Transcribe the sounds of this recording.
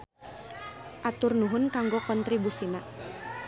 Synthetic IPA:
ʔat̪ʊrnuɦʊnkaŋɡɔkɔnt̪ɾibusina

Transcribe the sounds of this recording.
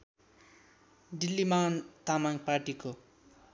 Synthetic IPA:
ɖilːimant̪amaŋɡparʈiko

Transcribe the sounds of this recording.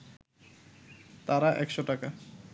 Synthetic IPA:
t̪aɾaʔɛkʃoʈaka

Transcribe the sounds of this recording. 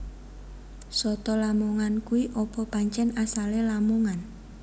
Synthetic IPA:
sɔt̪ɔlamoŋankuiʔɔpɔpaɲt͡ʃɛnasalelamoŋan

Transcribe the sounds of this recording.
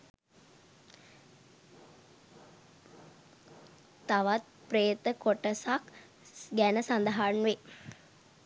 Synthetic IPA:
t̪aʋat̪̚ | prejt̪əkoʈəsak | ɡænəsand̪əɦanʋe

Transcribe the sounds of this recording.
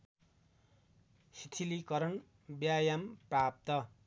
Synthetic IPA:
sit̪ʰilikʌɾʌn | bjajamprap̚t̪ʌ

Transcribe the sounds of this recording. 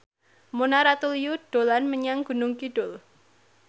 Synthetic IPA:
monaɾat̪ulijuɖ̥olanməɲaŋɡ̥ṳnʊŋkiɖ̥ʊl

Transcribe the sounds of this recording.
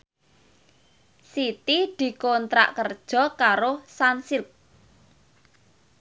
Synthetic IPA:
sit̪id̪̥i̤kont̪ɾa̰ʔkərd̥ʒ̥ɔ̤kaɾosansɪk̚

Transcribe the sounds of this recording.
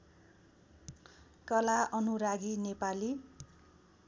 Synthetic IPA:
kʌlaʔʌnuɾaɡinepali

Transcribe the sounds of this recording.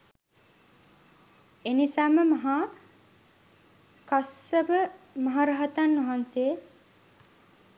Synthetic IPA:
enisaməmɐɦa | kasəbəmɐɦaɾaɦat̪anʋɐɦanse

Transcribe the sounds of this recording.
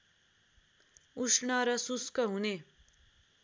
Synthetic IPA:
uʂɳaɾʌsuskəɦune

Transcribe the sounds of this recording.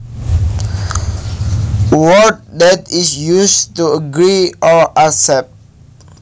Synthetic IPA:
wɔt̚dɛtisjustuəɡɹiʔɔʔasɛp̚t̚

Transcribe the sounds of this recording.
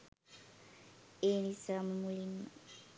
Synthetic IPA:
enisamumulima

